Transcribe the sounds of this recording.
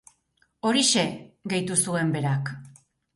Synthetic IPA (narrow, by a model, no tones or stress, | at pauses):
o̞ɾiʃe̞ɡe̞jt̪usue̞mbe̞ɾak